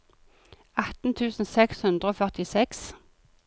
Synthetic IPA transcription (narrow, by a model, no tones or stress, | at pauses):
ɑt̪n̩t̪ʰʉːsn̩sɛkshʉnd̪ʁəoːfœʁt̪ɪsɛks